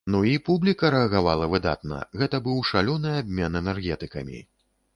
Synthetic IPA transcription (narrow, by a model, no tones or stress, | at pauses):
nuipublʲikɐɾɛɐɣavalˠɐvɨd̪a̰t̪nɐ̰ɣɛt̪ɐbɨwʂalʲɔnɨabʲmʲɛnɛnɛrɣʲɛt̪ɨkɐmʲḭ